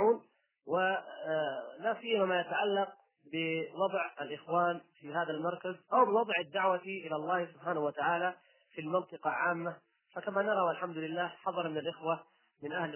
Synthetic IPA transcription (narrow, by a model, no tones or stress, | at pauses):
uːn | wɪ | lasɪjːamamajat̪aʕalːɑq̚ | bɪwɑd̪ˤʕalʔɪxwaːnfiɦaːðalmɑɾˤkazʔawbɪwɑd̪ˤʕad̪ːaʕwaʔɪlalˤːɑːhsʊbħaːnahwat̪aʕaːla | filmɑnt̪ˤɨqɑʕaːmːa | fakamanɑɾˤɑwʔalħamd̪ʊlɪlːaːħɑðˤɑɾˤmɪnɪlʔɪxwa | mɪnʔahl